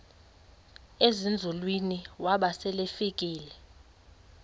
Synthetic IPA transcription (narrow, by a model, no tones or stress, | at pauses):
ezind͡zʱulwiniwaɓasɛlefikʼiːlɛ